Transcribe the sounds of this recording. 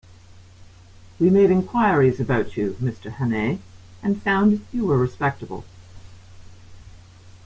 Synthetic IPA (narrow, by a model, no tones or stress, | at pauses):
wimeɪɾɨ̃nkʰw̥aɪɹizɨbaʊt͡ʃɨmɪstʰə˞hæneɪ | ɨ̃nfãʊ̃ndjɨwə˞ɹɨspɛk̚təbə̰l̩ˠ